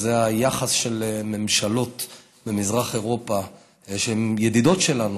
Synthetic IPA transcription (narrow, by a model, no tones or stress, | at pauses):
zeajaχasʃe̞lme̞mʃalo̞t | bemizʁaχe̞ʁo̞pa | ʃeemjed̪id̪o̞tʃelanu